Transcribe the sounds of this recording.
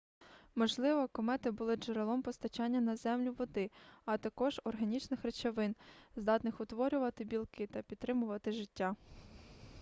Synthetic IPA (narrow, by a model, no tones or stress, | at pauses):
mɔʒlˠɪʋɔkɔmɛt̪ɪbʊlˠɪd͡ʒeɾelˠɔmpɔst̪ɐt͡ʃɑnʲːɐnɐzɛmlʲʊʋɔd̪ɪɐt̪ɐkɔʒ̥ɔrɦɐnʲit͡ʃnɪxret͡ʃɐʋɪnzd̪ɑt̪nɪxʊt̪ʋɔɾʲʊʋɐt̪ɪbʲilˠkɪt̪ɐpʲid̪t̪ːɾɪmʊʋɐt̪ɪʒɪtʲːa